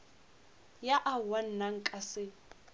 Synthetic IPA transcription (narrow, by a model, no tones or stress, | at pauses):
jaʔawan̩naŋ̩kʼasɪ